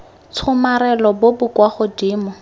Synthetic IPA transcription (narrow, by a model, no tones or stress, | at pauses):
t͡sʰʊmaɾɛlɔbobʊkwaχʊdiːmʊ